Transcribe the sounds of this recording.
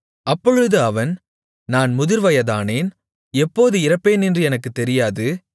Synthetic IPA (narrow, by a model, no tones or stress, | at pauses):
ɐpːɔɻɯðɯɐʋɐn | naːnmʊðɪɾʋɐjɐðaːneːn | ɛpːoːðɯɪɾɐpːeːnɛndrɯɛnɐkːɯt̪ːɛɾɪjaːðɯ